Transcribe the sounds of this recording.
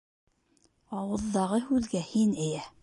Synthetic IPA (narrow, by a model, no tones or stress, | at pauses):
ɑwɤ̆ðːɑʁɤhʉðɡæhinɘ̆jæ